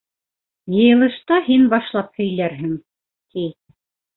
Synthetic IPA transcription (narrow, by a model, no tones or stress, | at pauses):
jɤ̆jɤ̆lˠɤ̆ʃt̪ɑhinbɑʃlˠɑp̚hɵ̆jlæɾɦɘŋ | t̪ij